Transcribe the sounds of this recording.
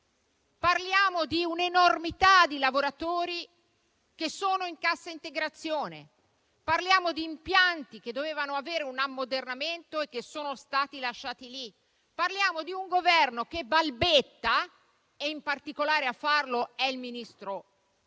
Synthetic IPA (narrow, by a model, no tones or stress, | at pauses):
parljaːmod̪iunenormit̪ad̪ilavoɾat̪oːɾi | k̟esːoːnoiŋkasːaint̪eɡɾat̪sːjoːnḛ | parljaːmod̪iːmpjant̪ik̟ed̪ːoveːvanoaveːɾeunamːod̪ernament̪oek̟ːesːoːnost̪aːt̪ilaʃːaːt̪ili | parljaːmod̪iuŋɡovɛrnok̟ebalbet̪ːa | eimpart̪ikolaːɾeafːarloɛilminist̪ɾo